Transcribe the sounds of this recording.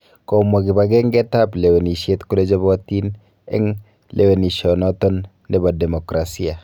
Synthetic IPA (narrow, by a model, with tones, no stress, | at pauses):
kɔ˨ma˨ɡi˨ba˨ɡɛ˦ŋɡɛ˦ta˦ple˨we˨ni˨ʃje˦tku˦le˦d͡ʒɔ˦bɔ˦ti˦n | ɛ̰˦ŋ | lʔe˨we˨ni˨ʃɔ˨nɔtɔ˦nː | e˦ba˨dɛ˨mɔ˨kɾa˨si˦a˨